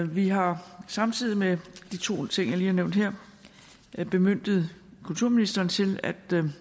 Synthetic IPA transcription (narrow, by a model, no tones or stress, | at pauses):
ʋiɦɑ̈sɑ̈mt͡sʰið̞̰ˠimed̥it͡sʰo̝̰ːt͡sʰe̝ŋ̰jɑ̈liːhɑ̈neʊnd̥ɦeɐ̰ | b̥e̝møn̰d̥ð̞̩ˠkʰult͡sʰuɐ̰minisd̥ɐːnt͡sʰe̝læd̥